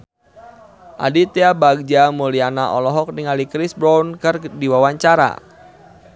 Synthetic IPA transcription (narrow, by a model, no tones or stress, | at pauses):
ʔa̰dit̪eabaɡ̚d͡ʒamulianaʔɔlɔɦɔk̚niŋalikɾisbɾankɨrdiwawaɲt͡ʃaɾa̰